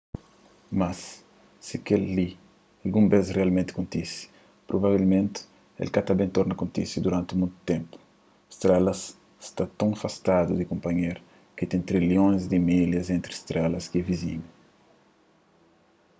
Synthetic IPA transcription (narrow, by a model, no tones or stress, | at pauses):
masː | ikelːi | alɡũmbezrealmẽnt̪ɪ̥kõnt̪isi̥ | pɾobaβilmẽnt̪ɪ̥ | ḛlkat̪ɐbẽnt̪oɾnɐkõnt̪isid̪uɾãnt̪ɪmũjt̪u̥t̪ẽmpu̥ | st̪ɾɛlɐs | st̪at̪õŋfast̪ad̪ud̪ikõmpɐɲeɾ | kit̪ẽnt̪ɾiljõj̃zd̪imiljɐzẽnt̪ɾist̪ɾɛlɐskiɛviziɲu